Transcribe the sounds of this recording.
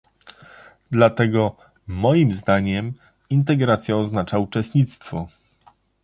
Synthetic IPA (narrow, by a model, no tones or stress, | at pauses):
d̪lat̪ɛɡɔ | mɔjimzd̪aɲɛm | int̪̬ɛɡɾat̪sʲjaɔznat͡ʂaut͡ʂɛst̪ɲit̪st̪fɔ